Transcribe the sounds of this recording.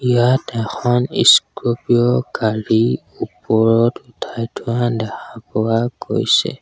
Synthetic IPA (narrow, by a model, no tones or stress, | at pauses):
ijatɛxɔnḭskɹopiɔkaɹi | upɔɹɔtutʰajtʰʊadɛxʰapɔwako̰jsɛ̰